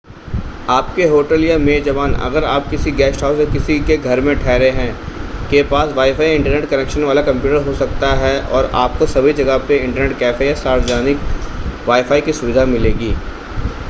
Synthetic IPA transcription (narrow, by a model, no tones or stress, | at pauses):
aːpkeɦoːʈəljameːd͡ʒɐʋaːnɐ̰ɡəɾaːp̚kɪsiɡɛːsʈʰaːʊsekɪsikeɡʱɐɾmẽʈʰɛːɾeɦɛ̃kepaːsʋaːifaːiɪ̃ɳʈəɾneːʈkɐneːkʃənʋaːlakɐ̃mpjuːʈəɾɦosɐkt̪aɦɛʔɔːɾa̰ːp̚kosɐbʱid͡ʒɐɡəpeɪ̃ɳʈəɾneːʈ̚kɛːfejasaːɾəd͡ʒaːnɪkʋaːifʰaːikisʊʋɪd̪ʱamɪleːɡiː